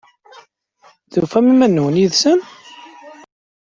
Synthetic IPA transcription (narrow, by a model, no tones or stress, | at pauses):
ðufæmimænːuwənjiðsəm